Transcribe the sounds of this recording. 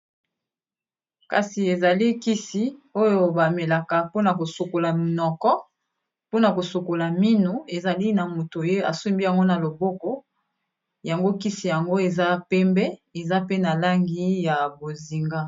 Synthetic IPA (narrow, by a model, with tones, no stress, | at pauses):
ka˨si˨e˨za˨li˦ki˦si˦o˦jo˨ba˨me˨la˨ka˨po˦na˨ko˨so˨ko˨la˨m˨nɔ˨kɔ˦ | po˦na˨ko˨so˨ko˨la˨mi˦nu˨e˨za˨li˦na˨mo˨to˨je˦a̰˨su˦mbi˦ja˨ŋɡo˦na˨lo˨bo˦ko˦ | ja˨ŋɡo˦ki˦si˨ja˨ŋɡo˦e˨za˦pɛ˦mbɛ˦e˨za˦pe˦na˨la˦ŋɡi˦ja˨bo˨zi˨ŋɡa˦